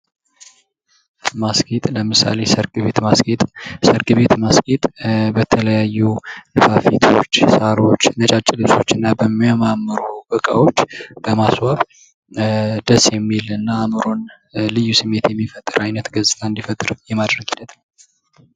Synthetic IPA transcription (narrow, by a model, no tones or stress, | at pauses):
masket̪ʼləmɨsa̰le̞səɾkʼβet̪masket̪ʼsəɾkʼɨβe̞t̪masket̪ʼbət̪ʰələjajːulɨfafit̪ʰo̞t͡ʃːsaɾo̞t͡ʃːnət͡ʃʼat͡ʃʼːɪlɨβso̞t͡ʃːɨnːabəmːiamamːɨɾubəkʼa̰wo̞t͡ʃːb̥əmaswaβ | d̪əsjɛmːilɨnːaːmɨɾo̞n | lɨjːusɨmːe̞t̪jɛmːifət̪ʼːɨɾajnət̪ɡəzʼt̪ʰaɨnd̪ifət̪ʼːɨɾjɛmad̪ɾəɡhinːət̪nə